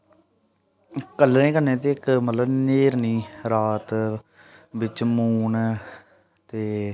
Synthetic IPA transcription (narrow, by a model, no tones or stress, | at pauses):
kəlnẽːkənːẽːt̪̬eːɪkmət̪ləbneːɾniːɾaːt̪ | bɪt͡ʃmuːn | t̪eː